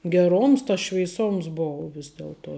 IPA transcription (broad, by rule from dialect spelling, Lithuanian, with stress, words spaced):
ɡʲɛˈroːms tɐs ʃʲʋʲɛɪˈsoːms ˈboːʊ ˈʋʲɪs dʲɛlˠˈtuɔ